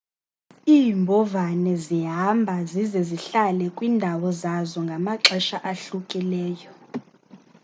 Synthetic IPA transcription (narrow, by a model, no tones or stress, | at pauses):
iːmbʱɔvanɛziɦambʱazizɛziɬalɛkʼwiːndʱawɔzazɔŋɡʱamaǁɛʃaʔaɬukʼilɛːjɔ